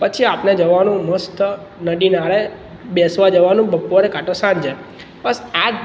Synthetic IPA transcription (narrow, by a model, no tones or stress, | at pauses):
pət͡ʃʰiapned͡ʒəʋanũməst̪ | nəɖinaɭe | besʋad͡ʒəʋanũbəpːoɾekaʈəsãnd͡ʒe | pəsa